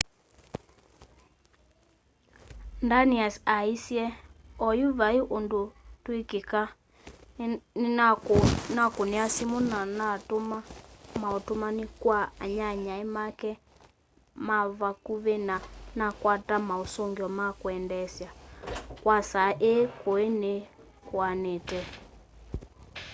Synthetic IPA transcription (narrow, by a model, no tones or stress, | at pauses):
ndaniasaisjɛɔjuβaiʔondotwekeka | nakoniasimunanatomamaotomanikwaaɲaɲaemakɛ | maβakuβenanakwatamaosoŋɡjɔmakwɛndɛsjakwasaʔekoene | kwanetɛ